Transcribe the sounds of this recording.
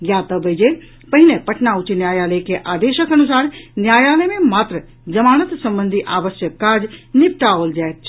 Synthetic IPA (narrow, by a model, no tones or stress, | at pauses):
ɡjaːt̪ɐbɐd͡ʒe | pɐɦɪnepɐʈnaːʊt͡ʃinjaːjaːləkeʔaːd̪eːʃəkɐnʊsaːɾnjaːjaːlemẽmaːt̪ɾə | d͡ʒɐmaːñət̪sɐ̃mbə̃nd̪ʱiʔaːʋəsjəkːaːd͡ʒnɪp̚ʈaoːld͡ʒaːet̪̚t͡ʃʰ